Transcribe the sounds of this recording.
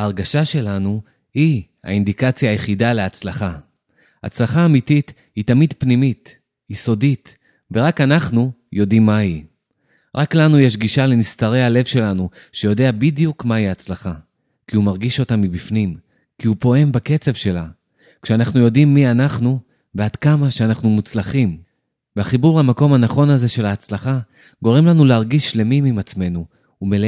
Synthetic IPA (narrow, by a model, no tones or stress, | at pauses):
haːʁɡaʃaʃe̞lanu | hiha̰indikat͡sjaːjeχidaleat͡slaχa | a̰t͡slaχaːmitit | hitamidpnimit | jiso̞dit | veʁakanaχnujo̞dimːahi | ʁaklanujeʃ̬ɡiʃale̞nistaʁe̞jale̞vʃe̞lanu | ʃe̞jo̞de̞abidjukmaiat͡slaχa | kiumaʁɡiʃo̞tamːibifnim | kiupo̞e̞mbake̞t͡se̞vʃe̞la | kʃeanaχnujo̞dimːianaχnu | vead̥kamaʃeanaχnumut͡slaχim | veaχibuʁlamako̞mhanaχo̞naze̞ʃe̞laːt͡slaχa | ɡo̞ʁe̞mlanuleaʁɡiʃːle̞mimimat͡sme̞nu | umel